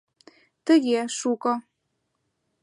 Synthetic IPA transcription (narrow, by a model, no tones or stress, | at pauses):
t̪əɣeʃukɤ̆